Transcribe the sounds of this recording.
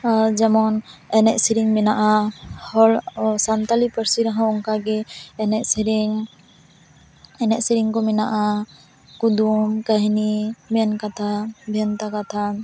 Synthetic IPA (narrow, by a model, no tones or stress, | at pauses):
aɾd͡ʒɛmɔnɛnɛʔsiɾiŋmɛnaʔahɔlsant̪alipəɾsiɾaɦãɔŋkaɡɛːnɛʔsiɾiŋ | ɛnɛʔsiɾiŋkɔmɛnaʔa | kud̪umkəɦnimɛnkat̪ʰabʱjɔnt̪akat̪ʰa